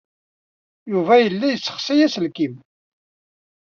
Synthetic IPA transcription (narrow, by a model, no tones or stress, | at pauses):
juvæjəlːæjət͡sːə̥χsæjæsəlkim